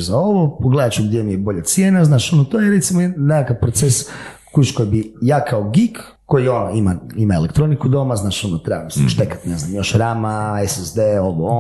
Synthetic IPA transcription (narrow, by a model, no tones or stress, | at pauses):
zao̞ʋopoɡled̪at͡ʃuɡd̪jemijebo̞ʎat̪sjenaznaːʃonot̪ojeɾet̪simonekakaʋpɾot̪ses | kut͡ʃkojbijaːkʰaoɡik | kːo̞jionimaimaelekt̪ɾo̞nikud̪o̞maznaːʃonot̪ɾebamisɛʃt̪ekḁt̪neznamjo̞ʃɾamaesezd̪eoʋoo